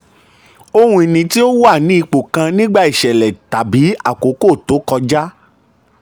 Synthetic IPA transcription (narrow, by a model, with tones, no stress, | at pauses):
o˦hũ˧i˧nĩ˧ti˦o˦wa˦˨nĩ˦i˧k͡po˨kã˧nĩ˦ɡ͡ba˦i˦˨ʃɛ˨lɛ˨ta˨bi˨˦a̰˦˨ko˨˦ko˦˨to˨˦kɔ˧d͡ʒa˦